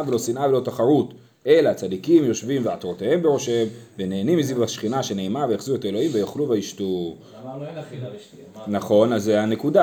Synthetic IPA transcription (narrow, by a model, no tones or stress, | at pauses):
velo̞sinʔave̞lo̞taχaʁut | e̞laːt͡sad̪ikimjo̞ʃvimveat̪ʁotee̞mbeʁo̞ʃemvene̞ːnimːizibaʃχinaʃe̞ne̞ːmavejaχzue̞taelo̞imvejoχluvaiʃtu | naχo̞nazːeane̞kud̪a